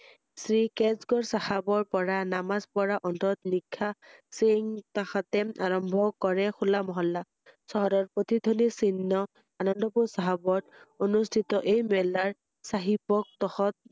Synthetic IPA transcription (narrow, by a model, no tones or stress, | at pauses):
sɹikɛzɡɔɹsahabɔɹpɔɹanamazpɔɹaʔɔntɔt̪nikʰːaseŋt̪axat̪ɛaɹɔmbʱɔkɔɹɛxulamɔɦɔlːa | sɔɦɔɾɔɹpɹot̪id̪ʱonisinːɔ | anɔndɔpusaɦabɔtonustʰit̪ɔʔejmɛlaɹ | saɦipɔk̚t̪ɔxɔt̚